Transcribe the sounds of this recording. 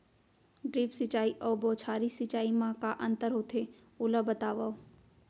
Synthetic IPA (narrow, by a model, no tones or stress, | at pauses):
ɖɾiːpsɪt͡ʃaːiʔɔːbɔːt͡ʃʰaːɾisɪt͡ʃaːimãkaʔɐ̃nt̪əɾɦoːt̪ʰe | ʊləbət̪aːʋa